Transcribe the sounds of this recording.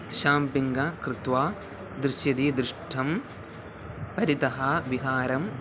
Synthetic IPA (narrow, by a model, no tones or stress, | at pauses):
ʃaːmpiŋɡɐkɾɪt̪ʋaː | d̪ɾɪʃjɐd̪iːd̪ɾɪʂʈʰːɐm | pɐɾit̪ɐɦɐʋiɦaːɾɐm